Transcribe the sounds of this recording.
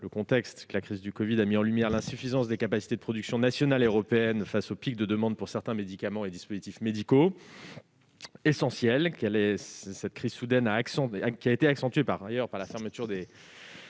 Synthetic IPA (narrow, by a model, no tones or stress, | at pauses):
ləkɔ̃t̪ɛkst̪kəlakχizd̪ykɔvid̪amiɑ̃lymjɛʁlɛ̃syfizɑ̃sd̪ekapasi̥t̪ed̪əpχɔd̪yksjɔ̃nasjɔnaløʁɔpeɛnfasopik̚d̪əd̪əmɑ̃d̪̚puʁsɛʁt̪ɛ̃med̪ikamɑ̃ed̪ispozit̪ifmed̪iko | esɑ̃sjɛlkɛlɛsɛt̪̚kχiz̥sud̪ɛnaːksɑ̃kʲiaet̪eaksɑ̃t̪ɥepaʁajœʁpaʁlafɛʁmət̪yʁd̪e